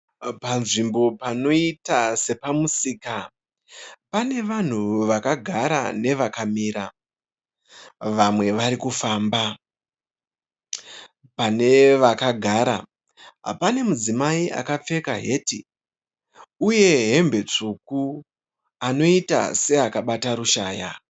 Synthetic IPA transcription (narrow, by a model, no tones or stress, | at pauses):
panʐimbo̞pano̞itase̞pamusiːka | pane̞ʋan̤uʋakaɡʱaɾa̰ne̞ʋakamiːɾa | ʋamwe̞ʋaɾikufaːmba | pane̞ʋakaɡʱaːɾa | ɦa̰pane̞mud͡zimaiʔa̰kap͡fe̞kaɦe̞ːti | uje̞ɦe̞mbe̞t͡ʂuku | ano̞ita̰se̞akaɓataɾuʃaːja